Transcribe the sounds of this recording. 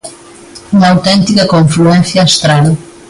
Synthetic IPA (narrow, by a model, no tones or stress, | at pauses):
umɐawt̪ẽnt̪ikɐkõɱfluẽnθjɐːʃt̪ɾaðɐ